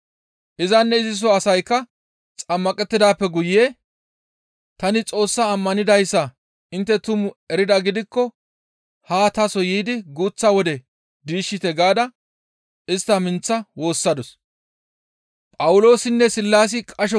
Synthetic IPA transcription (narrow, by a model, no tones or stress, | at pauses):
ʔɪzɐnːɛɪzɪs̬ɔɐsɐjkːɐ | t͡sʼɐmːɐkʼɛt̪ːɪd̪aːpːɛɡʊjɪjeː | t̪ɐnɪt͡sʼo̞ːsːaːmːɐnɪd̪ɐjsːɐ | ɪnt̪ːɛt̪ʊmʊɛɾɪd̪ɐɡɪd̪ɪkːɔ | haːt̪ɐsɔjiːd̪ɪɡuːt͡sːɐwɔd̪ɛ | d̪iːʃːɪt̪ɛɡaːd̪ɐ | ɪst̪ːɐmɪnt͡sːɐwo̞ːsːɐd̪ɔs | pʼɐwʊlo̞ːsɪnːɛsɪlːaːs̬ɪkʼɐʃ̬ɔ